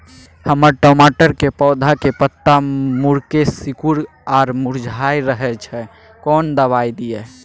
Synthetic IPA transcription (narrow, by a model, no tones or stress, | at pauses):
həməɾʈɔmaʈəɾkepɔd̪ʱakepət̪ːamuɾkesikuɾ | aɾmuɾd͡ʒʱajɾəɦɛt͡ʃʰɛ | kɔnd̪əβajd̪ijɛ